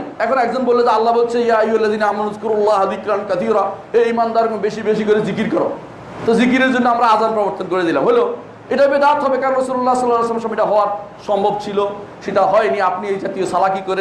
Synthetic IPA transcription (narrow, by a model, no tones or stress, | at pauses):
ɛkʰonɛkd͡ʑonbolːed͡ʑealːabolt͡ɕʰejaiolːad̪inaamanuzkuɾolːaɦad̪ikɾankɐt̪ʰiɾaeimand̪aɾbeʃibeʃikoɾezikiɾkɔɾo̰ | t̪ozikiɾeɾd͡ʑonːoamɾaazanpɾɔboɾt̪onkoɾed̪ila̰mɦolo | eʈabed̪at̪ɦɔbekanɾɔsuɾulːasɔlːaleslamʃɔmiʈaɦɔoaɾʃɔmbʱob̚t͡ɕʰilo | ʃeʈaɦɔeniapniejd͡ʑat̪iosalakikoɾe